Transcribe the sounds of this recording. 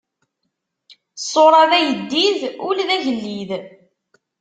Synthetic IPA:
sˤːoɾˤɑðæjəd̪ːiðʊlðæʝəlːið

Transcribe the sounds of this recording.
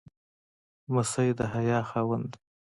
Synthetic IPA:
mʊsajd̪əɦajɑːxɑːwand̪

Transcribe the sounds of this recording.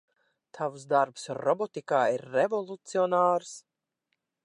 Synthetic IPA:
t̪ʰavusd̪aɾpsɾɔbɔt̪ikaːiɾːevɔlˠut̪siɔnaːɾs

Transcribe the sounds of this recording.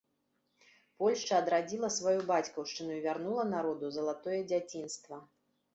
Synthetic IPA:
pɔlʲʂt͡ʂɐːd̪ɾad͡zʲilˠɐsvajubat͡sʲkɐwʂt͡ʂɨnuivʲarnulˠɐnaɾɔd̪uzɐlˠat̪ɔjɛd͡zʲat͡sʲinst̪vɐ

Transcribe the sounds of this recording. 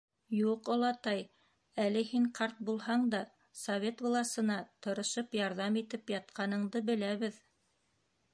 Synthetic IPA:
juqŏlˠɑt̪ɑj | ælɘhiɴqʰɑɾt̪̚bulˠhɑɴd̪ɑ | sovʲet̪vŏlˠɑsɤ̆nɑt̪ɤ̆ɾɤ̆ʃɤpjɑɾðɑmit̪ɘpjɑt̪̚qɑnɤ̆ɴd̪ɤbɘ̆læβɘð

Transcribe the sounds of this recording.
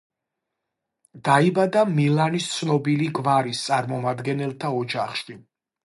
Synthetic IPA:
d̪̥aibad̪amilanist̪sʰnɔbiliɡvaɾist̪sʼaɾmɔmad̪ɡɛnɛlˠt̪ʰaɔd͡ʒaχʃi

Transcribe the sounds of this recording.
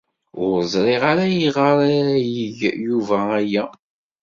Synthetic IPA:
ʊɾzˤɾˤiʁaɾæjiʁəɾæjəʝjuvææjæ

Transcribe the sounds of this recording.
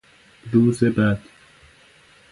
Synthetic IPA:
ɾuːzebæd̪̥

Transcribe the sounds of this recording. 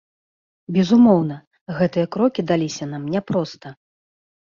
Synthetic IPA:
bʲɛzumɔwnɐ | ɣɛt̪ɨjɐkɾɔkʲid̪alʲisʲɐnamnʲɛpɾɔst̪ɐ

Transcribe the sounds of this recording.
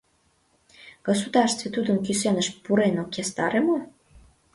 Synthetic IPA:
ɡ̥osud̪ɑrʃst̪vet̪ud̪ə̆nkysenəʃpuɾenokest̪ɑɾemo

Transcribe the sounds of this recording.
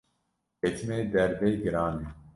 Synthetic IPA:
et͡ʃmeːd̪ɛɾbejɡɨɾaːne

